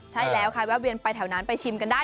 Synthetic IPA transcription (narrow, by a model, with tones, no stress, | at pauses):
t͡ɕʰa˦˥˩jlɛː˦˥wkʰa˧jwɛː˦˥wi˧npa˧jt̪ʰɛː˨˩˦wnaː˦˥npa˧jt͡ɕʰi˧mka˧ndaː˥˩